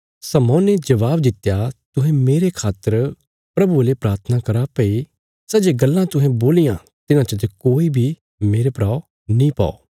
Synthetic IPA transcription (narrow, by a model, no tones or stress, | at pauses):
sɐmɔ̃ːned͡ʒɐʋaːbd̪ɪt̪ːjat̪ʊɦɛ̃meːɾekʰaːt̪ːəɾ | pɾɐbuelepɾaːɾt̪ʰənakɐɾapɐi | sɐd͡ʒeɡɐlːãt̪ʊɦɛ̃boːlɪjã | t̪ɪnãt͡ʃɐt̪̬ekoːibʱi | meːɾepɾaːo | nĩpa̰ːo̰ː